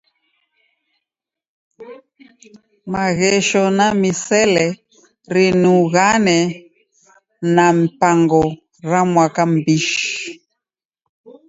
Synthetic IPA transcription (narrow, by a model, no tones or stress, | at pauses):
maɣɛʃɔnamisɛlɛ | ɾinuɣanɛ | nam̩paŋɡɔ | ɾamwakambiʃ